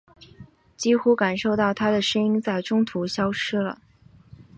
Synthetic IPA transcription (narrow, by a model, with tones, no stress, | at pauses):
t͡ɕi˥xu˥ka˨˩nʂo˥˧ʊt̪ɑ˥˩ʊt̪ʰa˥d̪ə˨ʂə˥ŋi˥ŋt͡sa˥˩ɪʈ͡ʂʊ˥ŋt̪ʰu˧˥ɕjɑ˥ʊʈ͡ʂʰɻ̩˥lə̰˨